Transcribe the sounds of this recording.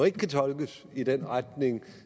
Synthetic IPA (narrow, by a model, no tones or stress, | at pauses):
e̝ɡ̥əkʰæt͡sʰɒ̽lɡ̥əs | id̥enʁad̥ne̝ŋ